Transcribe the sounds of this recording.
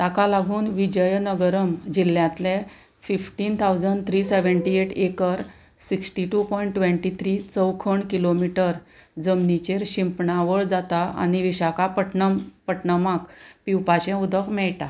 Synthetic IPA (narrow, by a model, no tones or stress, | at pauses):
t̪akalaɡʱuːnʋid͡ʑəjnəɡəɾəmd͡ʑil̤ːjãt̪lẽ | fifʈiːnt̪ʰawd͡zəɳɖt̪ʰɾiseʋəɳʈieʈekəɾ | siksʈiʈupɔjiɳʈːʋẽɳʈit̪ʰɾit͡səwkʰəɳkilomiʈəɾd͡zəmnit͡ɕeɾɕĩmpɳaʋəɭd͡zat̪aa̰ñiʋiɕakapəʈpəʈɳəmakpiwpaɕɛ̃ud̪ʱəkmɛɭʈa